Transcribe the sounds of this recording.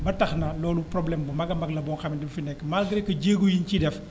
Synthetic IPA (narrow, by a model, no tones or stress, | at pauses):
bɐtɐxnɐlɔːluprɔblɛmbumɐɡɐmɐɡlɐbɔːŋxɐmidɛmfinɛkːəmaːlɡiɾɛkːɐɟeːɡujincidɛf